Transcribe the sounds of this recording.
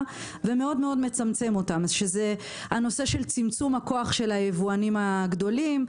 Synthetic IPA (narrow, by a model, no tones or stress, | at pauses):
veme̞o̞dmeo̞dmet͡samt͡se̞mo̞tamʃeze̞ | hano̞se̞ʃe̞lt͡simt͡sumhako̞aχʃe̞lajevuanimaɡdo̞lim